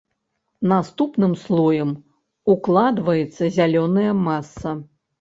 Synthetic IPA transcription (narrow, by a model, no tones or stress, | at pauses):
nast̪upnɨmslˠɔjɐm | uklˠad̪vɐjɛt̪sːɐzʲalʲɔnɐjɐmasːɐ